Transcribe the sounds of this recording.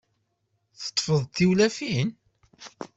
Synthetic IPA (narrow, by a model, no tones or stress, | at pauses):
θə̥t̪ˤːfəðˤt̪iwlæfin